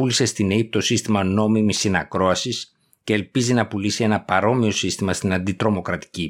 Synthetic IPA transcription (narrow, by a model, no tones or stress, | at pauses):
ulise̞st̪ineip̚t̪o̞sist̪imɐno̞mimisinɐkɾo̞ɐsis | ce̞ːlpizinɐpulisie̞nɐpɐɾo̞mio̞sist̪imɐst̪inɐnd̪it̪ɾo̞mo̞kɾɐt̪i̥ci